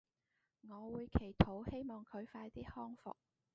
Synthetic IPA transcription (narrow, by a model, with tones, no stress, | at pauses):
ŋɔː˨˧wuː˨˧jkʰe˨˩jt̪ʰo˨˥whe˥jmɔː˨ŋkʰɵ˨˧ɥfaː˧jt̪iː˥hɔː˥ŋfʊ̰˨k̚